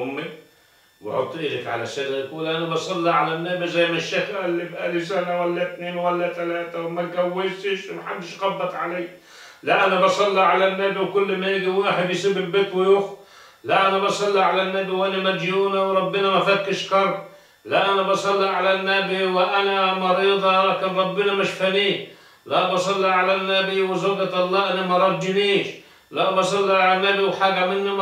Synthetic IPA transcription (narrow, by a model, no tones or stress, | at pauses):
ʊmːi | bɑ̰ʕo̰t̪ˤːʔiːlakʕa̰lasalalkuːlʔanabɑsˤɑlːiʕalanːaːbizajːmaʃakʔɪlːibʔalfsanawalːat̪neːnwalːat̪alaːt̪awmalɡawːɪtɪʃmaħad̪ːɪʃɣɑbːɑt̪ˤʕa̰leː | laʔanːabɑsˤɑlːiʕalanːaːbiwkʊlːmajɪɡiwaːħɪd̪jsibɪlbeːt̪wɪjʊx | laʔanabɑsˤɑlːiʕalanːabiwʔanamad̪juːnawɾˤɑbːɪnamafakːɪʃqɑɾˤb | laʔanabɑsˤɑlːiʕalanːabiwɪʔanamɑɾiːd̪ˤɑakanɾˤɑbːɪnamaʃfaniː | labɑsˤɑlːiʕalanːabiwɪzoːɡat̪ʔɑlˤːɑːʔanamɑɾˤɑd̪ːɪniːʃ | labɑsˤɑlːiʕalanːabiwħaːɡamɪnːim